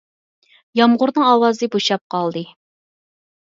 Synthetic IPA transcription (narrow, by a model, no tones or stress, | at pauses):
jɑmʁʊɾnɨŋɑːwɑzɨboʃɑp̚qʰɑlˠd̪ɨ